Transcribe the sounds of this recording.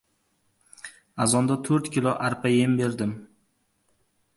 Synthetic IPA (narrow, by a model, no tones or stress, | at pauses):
azɒnd̪at̪ʰɵɾt̪kʲɪlˠɒʔaɾpʰajembe̞ɾd̪ɪm